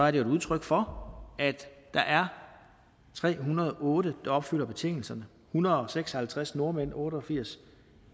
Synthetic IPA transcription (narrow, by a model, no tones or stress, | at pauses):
sɒ̽æɐdejoeduð̞ˠt͡sʰʁœɡ̥fɒ̽æd̥ːɑ̈ʔæɐ | t͡sʰʁɛ̰ːɦunɐð̞ˠʔɔ̽ːɾəd̥ɑ̈ɒ̽b̥fyl̰ɐb̥e̝t͡sʰe̝ŋ̰l̩sɐnə | hunɐð̩ˠɒ̽seɡ̥sɒhælt͡sʰʁasno̝ɐmen̰ɔːɾəɒfiɐ̰s